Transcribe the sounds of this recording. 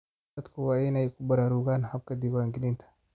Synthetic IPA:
ɐd̪kʰʊwaːɪnɛjkʰʊbɐɾaːɾʊɣaːnhɐb̚kʰɐd̪ɪwaːŋɡɪlɪnt̪ʰɐ̥

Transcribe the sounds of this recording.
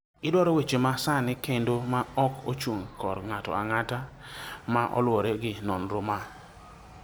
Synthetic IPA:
ɪdwɔɾɔwet͡ʃemasanɪkendomaɔko̰t͡ʃuŋkɔɾŋatɔ̰aŋata | maʔɔ̰lwɔɾɛɡɪnɔnɾoma

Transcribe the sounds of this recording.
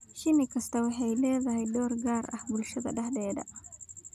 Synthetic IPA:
ʃɪnɪkʰɐst̪ʰɐwɑħɑjlɛːðɐɦɛjd̪ɔːrɡaːrɐ̰hbʊlʃɐðɐ̰ɖɐħd̪ɛːdɐ̰

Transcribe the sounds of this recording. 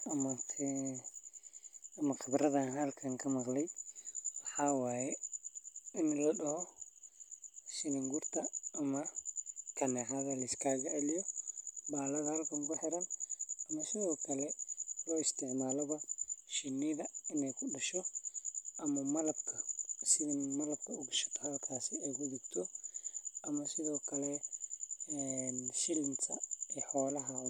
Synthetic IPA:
ɐmɐ | ɐmɐxɪbɾɐðɐnɦɐlkʰɐŋkʰɐmɐqlɛjwɑħɑːwaːjɛ | ɪnlɐɗɐhɔ | ʃɪnɪŋɡʊrt̪ʰɐːmɐkʰɐnɛɦaðɐlɐɪskʰaːɣɐʕɛlɪjɔbaːlɐðɐhɐlkʰɐŋkʊħɛɾɐnɐmɐsɪðɔːkʰɐlɛlɔːɪst̪ʰɪʕmaːlɔβɐʃɪnːɪðɐɪnɛjkʰʊɗɐʃɔ | ʔɐmɐmɐlɐbkʰɐsɪðɪnmɐlɐb̚kʰɐʊɡʃɐ̥t̪ʰɐhɐɐlkʰaːsɪɛjkʊdɪɡt̪ʰɔ | ʔɐmɐsɪðɔːkʰɐlɛ | ɛnʃɪlɪnt̪ʰɐɛħɔːlɐɦɐ

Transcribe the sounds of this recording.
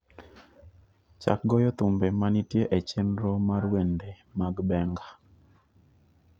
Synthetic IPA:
t͡ʃa̰k̚ɡɔjɔt̪ʊmbemanitjeʔet͡ʃenɾɔmaɾwende | maɡbɛŋɡa

